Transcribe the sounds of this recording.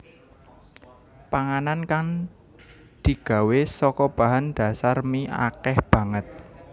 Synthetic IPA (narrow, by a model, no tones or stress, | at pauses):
paŋanankaŋ | d̪̥i̤ɡ̥a̤wesɔkɔb̥ä̤ɦand̪̥a̤sarmia̰kɛhb̥ä̤ŋət̪̚